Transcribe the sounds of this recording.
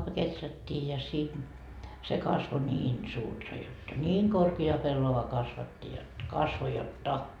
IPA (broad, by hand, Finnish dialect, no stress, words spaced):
ko ketrætːiː jɑ sin se kɑsʋo niːn suːrtɑ jotːɑ niːŋ korkiɑ pelːoʋɑ kɑsʋɑtːi jot kɑsʋo jotːɑ